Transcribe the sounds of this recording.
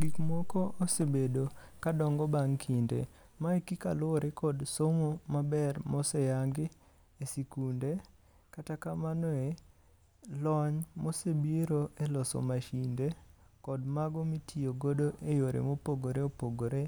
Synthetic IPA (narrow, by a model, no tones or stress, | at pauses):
ɡikmokoːsebedokadɔŋɡɔbaŋkʰindḛ | maekika̰lʊɾʔekɔdsomomabɛrmɔsejaŋɡɪ | esikunde | katakamanɔe | lɔɲmosebiɾoelɔsɔ̰maʃinde | kɔdmaɡɔmitʰioɡodoʔejoɾḛmopoɡoɾeopoɡoɾe